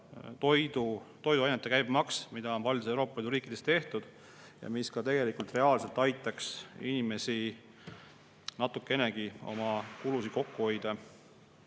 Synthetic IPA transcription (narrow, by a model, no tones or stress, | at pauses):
t̪o̞jd̪ut̪o̞jd̪uɑjnet̪ːekæjb̥mɑksmid̪ɑo̞npɑlʲd̪usewɾo̞ːpːˑɑliːd̪uɾiːkːˑid̪̥e̞st̪e̞ht̪ud̪̥ | jɑ̰miskɑt̪e̞ɡe̞likult̪re̞ɑːlse̞lt̪ːˑɑjt̪ːˑɑksinime̞si | nɑt̪ːˑukːˑe̞ne̞ɡ̥io̞̰mɑkulusiko̞kːuho̞jd̪̥e